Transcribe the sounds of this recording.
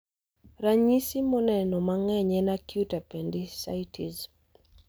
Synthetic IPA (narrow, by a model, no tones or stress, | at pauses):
ɾaɲisimɔnɛnɔmaŋɛɲɛnakjutapendɪsa̰jtʰiz